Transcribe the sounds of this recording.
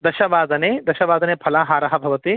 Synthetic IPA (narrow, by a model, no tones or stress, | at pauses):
d̪ɐʃɐʋaːd̪ɐneːd̪ɐʃɐʋaːd̪ɐneːpʰɐlaːɦaːɾɐɦɐbʱɐʋɐt̪i